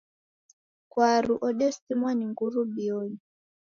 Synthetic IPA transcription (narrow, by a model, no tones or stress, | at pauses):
kwaɾuʔɔɗɛsimwaniŋɡuɾubiɔɲi